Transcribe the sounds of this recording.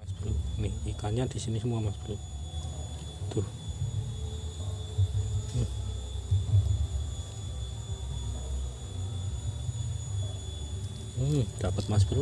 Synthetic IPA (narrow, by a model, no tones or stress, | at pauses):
asb̥əɾuniikaɲad̪̥isinisəmuamasb̥əɾu | d̪̥uh | d̪̥apət̪̚mas̬b̥əɾu